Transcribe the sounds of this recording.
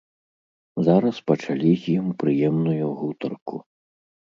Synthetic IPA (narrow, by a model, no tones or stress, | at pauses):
zaɾɐspɐt͡ʂalʲizʲjimpɾɨjɛmnujuɣut̪ɐrku